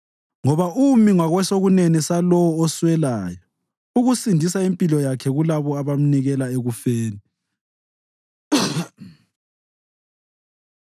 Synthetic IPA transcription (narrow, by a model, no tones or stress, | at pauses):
ŋɔβaumiŋwaɣwɛsoɣunenisalɔwɔːswɛlaːjɔ | uɣusindʱisaempʼilɔjakʰɛɣulaβɔaβam̩niɣɛlaeɣufeːni